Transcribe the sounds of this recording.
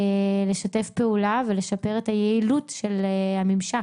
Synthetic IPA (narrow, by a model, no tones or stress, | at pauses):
le̞ʃate̞fpe̞ulavele̞ʃape̞ʁethajeilutʃelhamimʃa